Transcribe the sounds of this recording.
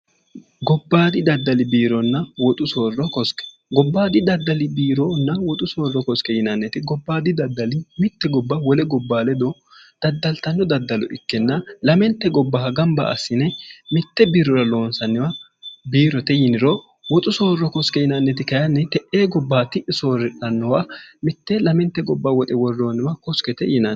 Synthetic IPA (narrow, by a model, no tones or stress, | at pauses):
ɡɔbːaːd̪ɪd̪ɐd̪ːɐlɪbiːɾɔnːɐwɔt̪ʼʊsoːrːɔkɔskɛ̥ | ɡɔbːaːd̪ɪd̪ɐd̪ːɐlɪbiːɾɔnːɐwɔt̪ʼʊsoːrːɔkɔskɛjɪnɐnːɛt̪ɪɡɔbːaːd̪ɪd̪ɐd̪ːɐlɪmɪt̪ːɛɡɔbːɐwɔlɛɡɔbːaːlɛd̪ɔ | d̪̥ɐd̪ːɐlt̪ɐnːɔd̪ɐd̪ːɐlɔ̰ʔɪkːɛnːɐlɐmɛnt̪ːɛɡɔbːɐhɐɡɐmbɐ̰ɐ̰sːɪnɛmɪt̪ːɛbiːɾɔɾɐlo̞ːnsɐnːɪwɐ | biːɾɔt̪ɛjɪnɪɾɔ | wɔt̪ʼʊsoːrːɔkɔskɛjɪnɐnːɛt̪ɪkɐjɐnːɛt̪ɛʔeːɡɔbːaːt̪ɪʔɪsoːɾɪᶑɐnːɔwamɪt̪ːɛlɐmɛnt̪ːɛɡɔbːawɔt̪ʼɛwɔrːoːnːɪwɐkɔskɛt̪ɛjɪnan